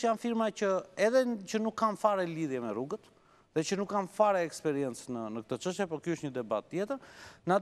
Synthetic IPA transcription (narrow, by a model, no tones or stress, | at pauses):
janfiɾmacəɛðɛt͡ʃənukːamfaɾɛliðjɛmɛruɡət̪ | ðɛt͡ʃənukːamfaɾɛɛkspɛɾiɛnt͡snənək̚ət̪ət͡ʃəʃt̪jɛpɔkjuəʃt̪ɲəd̪ɛba̰t̪ːjɛt̪əɾna